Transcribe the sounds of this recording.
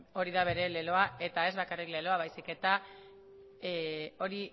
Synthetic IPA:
o̞ɾiðaβ̞e̞ɾe̞le̞lo̞ae̞t̪ae̞zβakarikle̞lo̞aβajsike̞t̪a | o̞ɾi

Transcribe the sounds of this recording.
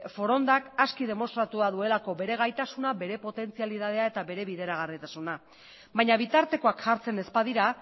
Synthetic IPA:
fo̞ɾo̞nd̪akaskið̞e̞mo̞st̪ɾat̪uaðue̞lako̞βe̞ɾe̞ɣ̞ajt̪asunabe̞ɾe̞po̞t̪e̞nt͡sialiðað̞e̞ae̞t̪aβe̞ɾe̞βiðe̞ɾaɣ̞arit̪asuna | baɲaβ̞it̪aɾt̪e̞ko̞akʝaɾt͡se̞ne̞spaðiɾa

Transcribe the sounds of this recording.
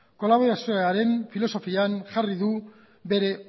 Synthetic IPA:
ko̞laβ̞o̞ɾasioeaɾe̞nfilo̞so̞fianʝariðu | be̞ɾe̞

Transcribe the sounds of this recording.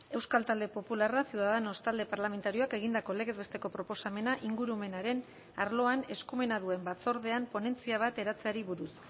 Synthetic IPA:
e̞wskalt̪ald̪e̞po̞pularasiuðaðeno̞st̪ald̪e̞paɾlame̞nt̪aɾio̞ake̞ɣind̪ako̞le̞ɣe̞zβet̪e̞ko̞pɾo̞po̞same̞naʔiŋɡuɾume̞naɾe̞n | a̰ɾlo̞ane̞skume̞naðue̞mbat͡so̞ɾðe̞ampo̞ne̞nt͡siaβ̞at̪e̞ɾat͡seaɾiβuɾus

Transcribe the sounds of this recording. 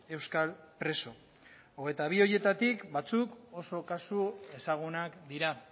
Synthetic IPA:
e̞wskalpɾe̞so̞ | oɣ̞e̞jt̪aβ̞io̞je̞t̪at̪ikbat͡suko̞so̞kasue̞saɣ̞unakd̪iɾa

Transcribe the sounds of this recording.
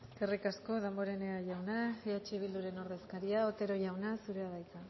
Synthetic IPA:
eskerikasko̞ðembo̞ɾe̞neaʝawnaeat͡ʃiβ̞ild̪uɾe̞no̞ɾðe̞skaɾiao̞t̪e̞ɾo̞ʝawnasuɾe̞aβajt̪a

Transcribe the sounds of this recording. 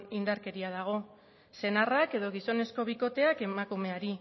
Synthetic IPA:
ind̪aɾke̞ɾiað̞aɣ̞o̞ | se̞narake̞ðo̞ɣ̞iso̞ne̞sko̞β̞iko̞t̪e̞ake̞makume̞aɾi

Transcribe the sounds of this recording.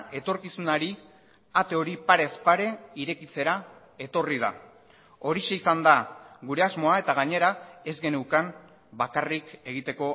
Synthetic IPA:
e̞t̪o̞ɾkisunaɾi | at̪e̞o̞ɾipaɾe̞spaɾe̞iɾe̞kit͡se̞ɾa | e̞t̪o̞rið̞a̰ | o̞ɾiʃe̞isand̪aɣuɾe̞azmo̞ae̞t̪aɣ̞aɲe̞ɾae̞zɡe̞newkam | bakarike̞ɣ̞it̪e̞ko̞

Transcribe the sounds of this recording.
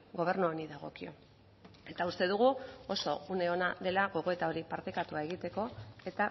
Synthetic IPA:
ɡo̞β̞e̞ɾnuoniðaɣ̞o̞̰kio̞ | e̞t̪aust̪e̞ðuɣ̞uo̞so̞une̞o̞naðe̞laɣo̞ɣ̞o̞e̞t̪ao̞ɾipaɾt̪ekat̪uae̞ɣit̪e̞ko̞e̞t̪a

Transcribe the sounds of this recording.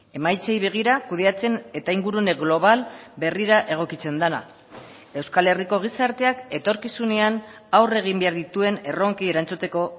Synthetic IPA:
e̞majt͡se̞jβe̞ɣ̞iɾakuð̞e̞at͡se̞ne̞t̪aiŋɡuɾuneɣlo̞β̞albe̞riɾaʔe̞ɣ̞o̞kit͡se̞nd̪ana̰ | e̞wskale̞riko̞ɣ̞isaɾt̪e̞ake̞t̪o̞ɾkisune̞an | awre̞ɣ̞imbe̞aɾðit̪ue̞ne̞ro̞ŋkie̞ɾant͡sut̪e̞ko̞

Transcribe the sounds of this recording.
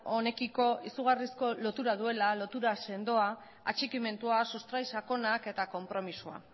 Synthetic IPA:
o̞ne̞kiko̞isuɣ̞arisko̞lo̞t̪uɾaðue̞lalo̞t̪uɾase̞nd̪o̞a | at͡ʃikime̞nt̪uasust̪ɾajsako̞nake̞t̪ako̞mpɾo̞misua̰

